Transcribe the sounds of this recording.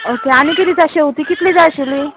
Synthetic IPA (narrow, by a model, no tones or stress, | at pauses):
okeañikiɾid͡zaɕewt̪ikit̪liːd͡zajɕili